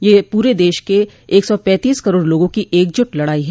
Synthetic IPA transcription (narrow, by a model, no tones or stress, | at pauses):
jeːpuːɾed̪eːʃkeː | ksɔpɛ̃ːt̪iːskɐɾoːɽloːɡõkiʔeːk̚d͡ʒʊʈlɐɽaːiɦɛː